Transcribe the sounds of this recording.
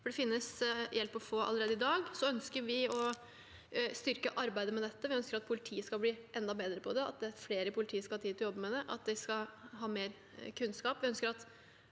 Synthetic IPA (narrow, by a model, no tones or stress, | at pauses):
fɔɖɛfɪnːəsjɛlpːɔfoːʔɑ̰lːəɾeːd̪əɪd̪ɑːɡsɔœnskəɾʋɪɔ | st̪ʏɾkəʔɑɾbæɪd̪əmɛd̪ɛt̪ːəʋɪœnskəɾɑt̪̚pʰʊlɪt̪ʰiːəskɑlbliːʔɛnd̪ɑbeːd̪ɾəpʰɔd̪ɛɑ̰t̪̚d̪ɛfleːɾəpʰʊlɪt̪ʰiːəskɑɑːt̪ʰiːɔjɔbːəmɛd̪ɛʔɑ̰t̪̚d̪ɛskɑɦɑːmeːɾ | kʰʉnskɑːpʋɪœnskəɾɑt̪